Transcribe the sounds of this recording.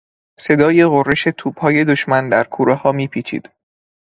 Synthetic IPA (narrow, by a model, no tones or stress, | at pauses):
se̞d̪ɒːje̞ɣorːe̞ʃe̞t̪ʰuːb̥hɒːje̞d̪oʃmænd̪æɾkʰuːɾehɒːmiːpʰiːt͡ʃʰḭːd̪̥